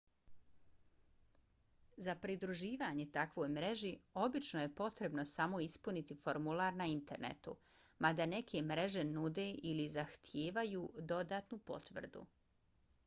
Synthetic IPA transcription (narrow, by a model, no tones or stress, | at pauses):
zapɾid̪ɾuʒiːʋaːɲe̞t̪akʋo̞jmɾe̞ʒio̞bit͡ʃnoje̞po̞t̪ɾe̞bno̞samo̞ispunit̪ifo̞ɾmulˠaːɾnaint̪e̞ɾnḛt̪ṵ | mad̪ane̞kʰe̞mɾe̞ʒe̞nud̪eːʔilizaxt̪ʰje̞ːʋajuːd̪o̞d̪aːt̪nupo̞̰t̪ʋr̩d̪ṵ